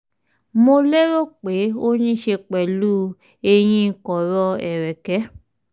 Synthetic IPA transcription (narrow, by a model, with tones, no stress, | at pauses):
mo˧le˦ɾo˦˨k͡pe˨˦o˦ɲ̃ĩ˦ʃe˧k͡pɛ˨luː˦ | e˧j̃ĩ˦˧kɔ˨ɾɔ˧ɛ˨ɾɛ˨kɛ˨˦